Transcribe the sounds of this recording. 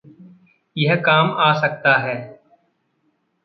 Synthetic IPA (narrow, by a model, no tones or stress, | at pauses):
jɛɦkaːmaːsək̚t̪aːɦɛː